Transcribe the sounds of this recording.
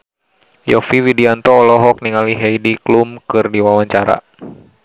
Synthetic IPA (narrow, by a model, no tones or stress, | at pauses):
jɔfiwidiant̪ɔːlɔɦɔk̚niŋaliɦejdiklumkɨrdiwawaɲt͡ʃaɾa̰